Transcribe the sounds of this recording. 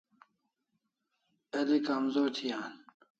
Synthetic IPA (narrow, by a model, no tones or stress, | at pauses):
ɐlikamzoːɾt̪ʰijaːn